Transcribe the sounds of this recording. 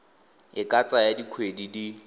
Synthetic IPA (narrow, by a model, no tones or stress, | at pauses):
ɪkʼat͡sʼajadikʰwedidi